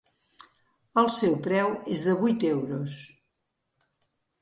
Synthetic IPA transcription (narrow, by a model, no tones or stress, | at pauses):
əlˠsɛwpɾɛwezðəβujt̪ewɾos